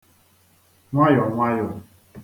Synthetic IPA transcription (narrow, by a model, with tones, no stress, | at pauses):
ŋʷa˦jɔ˨ŋʷa˦jɔ˨